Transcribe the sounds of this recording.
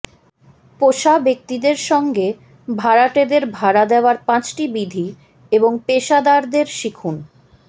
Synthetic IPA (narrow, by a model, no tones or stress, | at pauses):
poʃabek̚t̪id̪eɾʃɔŋɡe | bʱaɾaʈed̪eɾbʱaɾad̪eoaɾpãt͡ɕʈibid̪ʱi | eboŋpeʃad̪aɾd̪eɾʃikʰun